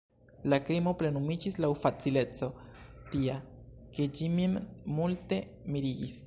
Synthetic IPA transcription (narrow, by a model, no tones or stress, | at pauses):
lakɾimo̞pɾe̞numid͡ʒislauwfat͡sile̞t͡so̞tiake̞d͡ʒimimmulte̞ | miɾiɡis